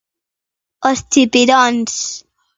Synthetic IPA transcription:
ost̪ipiɾɔns

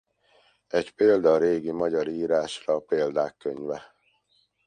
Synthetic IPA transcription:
ɛɟpeːld̪ɒːɾeːɡimɒɟɒɾiːɾaːʃrɒːpeːld̪aːkːøɲvɛ

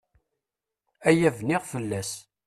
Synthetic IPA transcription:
æjævnɪʁfəlːæs

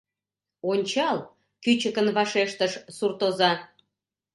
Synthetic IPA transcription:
onʲt͡ɕɑl | kyt͡ɕəkənβɑʃeʃt̪əʃsurt̪ozɑ

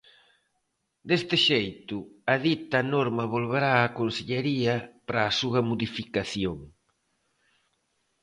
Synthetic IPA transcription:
d̪est̪ɪʃejt̪ʊaðit̪ɐnoɾmɐβolβ̞eɾaːkonseʎeɾiɐpɾɐːsuɣɐmoðifikaθjoŋ

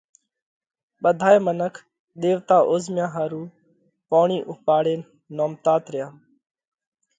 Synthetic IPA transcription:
ɓəd̪ʱaːeːmənəkʰ | ɗ̪eːʋt̪aːʔoːzmjãːɦaːɾuː | poːɳiːʔʊpaːɽeːnː | oːmt̪aːt̪ɾɪjaː

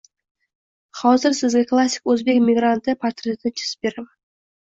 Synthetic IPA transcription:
χɑwzɪɾsɪzɡʲeklˠasʲːɪ̥kwɵzbe̞kmʲiɡrant̪əpʰat̪rʲet̪ɪt͡ʃʰɪ̥sbeɾem

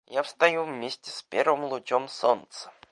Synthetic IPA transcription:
jafst̪ɐjuvmʲesʲtʲɪ̥spʲervɨmlˠʊt͡ɕomsont̪sə̥

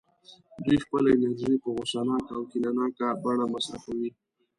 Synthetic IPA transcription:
d̪ixpəlaɪnaɾʒipəɣosanɑkaːwkinanɑkabaɳ̃amasɾaxawi

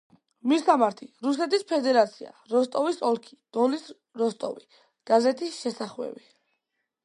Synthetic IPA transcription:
misamaɾt̪ʰiɾusɛt̪ʰispʰɛd̪ɛɾat̪sʰia̰ɾɔst̪ʼɔvisɔlˠkʰi̥d̪̥ɔlis | ɾɔst̪ʼɔ̰vi | ɡ̥azɛt̪ʰisʃɛsaχwɛ̰bi

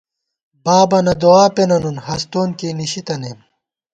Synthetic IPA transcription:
baːbɐnɐd̪oaːpenɐnunhɐst̪oːnkiːniɕit̪ɐnem

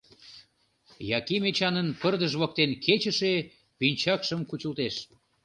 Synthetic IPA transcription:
jɑkimet͡ɕɑnənpərd̪əʒβɑk̚t̪enkʰet͡ɕəʃe | pynʲt͡ɕɑkʃəmkut͡ɕəlt̪eʃ

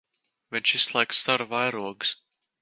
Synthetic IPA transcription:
vʲinʲt͡ʃislˠajkst̪aɾvajɾuɔɡs

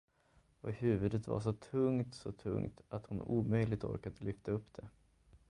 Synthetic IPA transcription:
ɔhʉ̟ːvɵd̪ət̪va̰ʂ̬ɔt̪ʰɵŋt̪sɔt̪ʰɵ̰ŋt̪at̪hʊnuːmœjlɪɡ̚t̪ɔ̰ɾkad̪əlʏft̪aɵpːd̪ɛ

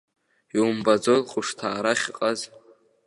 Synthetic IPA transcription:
iumbad͡zolqʼʊʂtʰaːɾaχʲqʼaz

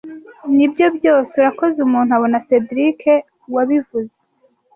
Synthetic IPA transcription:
nibjo̞bjo̞ːseuɾakozeumuːn̥huaβo̞nase̞dɾikʰe̞ | waβivuze

